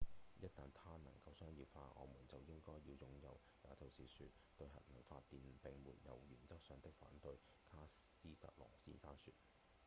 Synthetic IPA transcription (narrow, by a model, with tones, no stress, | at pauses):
jɐ˥t̚t̪ɐː˨nt̪ʰaː˥nɐ̰˨˩ŋkɐ˧wsœː˥ŋjiː˧faː˧ʔɔ̰ː˨˧muː˨˩nt͡sɐ˨wjɪ˥ŋkɔː˥jjiː˧wjʊ˨ŋjɐ˨w | jaː˨˥t͡sɐ˨wsiː˨˥sy̰ː˧t̚ | t̪ɵ˧ɥɦɐ̰˨t̚mɐ˨˩wfaː˧tt̪ːiː˨˩npɪ˨ŋmṵː˨˩njɐ˨wjyː˨˩nt͡sɐ˥k̚sœː˨˧ŋt̪ɪ˥k̚fa̰ː˨˥nt̪ɵ˧ɥ | kʰaː˥siː˥t̪ɐ̰˨k̚lɔ̰ː˨˩ŋsḭː˥nsaː˥nsy̰ː˧t̚